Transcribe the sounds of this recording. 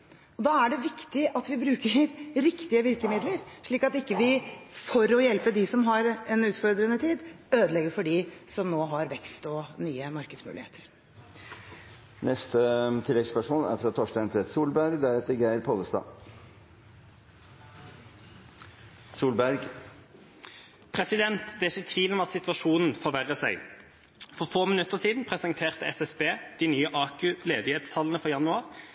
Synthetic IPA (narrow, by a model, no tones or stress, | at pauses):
ɔd̪ɑːæɖɛʋɪkt̪ɪʔɑt̪ʋɪbɾʉːkəɾɾɪkt̪ɪəʋɪɾkəmɪd̪ləɾʂɭiːkɑt̪ɪkːəʋɪfɔɾɔjɛlpəd̪ɪsɔmɦɑɾɛnʉːt̪fɔɾd̪ɾənət̪ʰiːd̪ | øːd̪əlɛɡəɾfɔɖɪsɔmnoːɦɑɾʋɛkst̪ɔnyːəmɑɾkəd̪smʉ̰ːlɪhḛːt̪ʰə̥ɾ | nʔɛst̪ət̪ʰɪlːɛɡspœʂmoːlæ̰ɾfɾɑt̪ʰoːʂdɑnt̪ʰɾɛːt̪suːlbæɾɡd̪æɾɛt̪əɾɡæɪɾpʰoləst̪ɑ̰ː | suːlbæɾɡ | pʰʁɛsɪd̪ɛnt̪d̪ɛæɪçət̪ʰʋiːlɔmɑt̪sɪt̪ʋɑʃuːnn̩foːʋæʁəsæɪ | fɔʁfoːmɪnʉt̪ːəʁsiːd̪n̩pʰʁɛsənt̪ʰeːʁt̪əɛsɛsbeːd̪̥ɪnyːəʔɑːkʉleːd̪ɪheːd̪sʰɑlːən̩əfɔjɑnʉɑːʁ